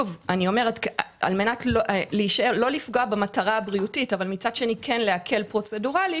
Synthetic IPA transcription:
uvanio̞me̞ʁeta̰lme̞natlʔleiʃaeʁlo̞lifɡoabemataʁaabʁiutitavalmit͡sadʃe̞nikʰenleakʰe̞lpʁo̞t͡se̞duʁali

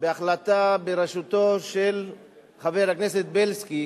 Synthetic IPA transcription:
beaχlat̪abeɾeʃut̪o̞ʃel | χaveʁhaknese̞t̪̚belski

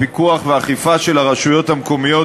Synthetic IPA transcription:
pikuaχveaχifaʃe̞laʁaʃujo̞t̪hamko̞mijo̞

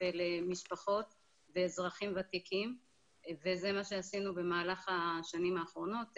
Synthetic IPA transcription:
velemiʃpaχo̞t̪ | veːzʁaχimvat̪ikʰim | vezemaʃe̞asinube̞maːlaχaʃanimaːχʁo̞no̞t̪

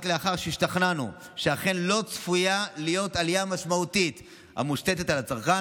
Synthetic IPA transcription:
tleaχaʁʃeiʃtaχnanṵ | ʃeaχe̞nlo̞t͡sfujalijo̞talijamaʃmautit | ha̰muʃte̞te̞talat͡saʁχa

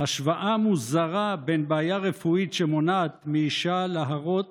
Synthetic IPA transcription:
haʃvaʔamuzaʁabenbaːjaʁefuit̪ʃemonaːt̪miiʃalaɦaʁot̚

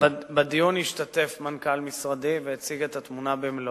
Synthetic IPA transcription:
bad̪ijuniʃt̪at̪e̞fmankalmisʁad̪iveet͡siɡet̪at̪munabeml

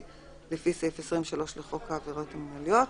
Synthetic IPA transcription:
lefisefesʁimʃalo̞ʃleχo̞kaːveʁo̞temnaljo̞t

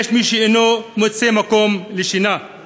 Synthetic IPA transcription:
ʃmiʃeenomot͡semakomleʃina

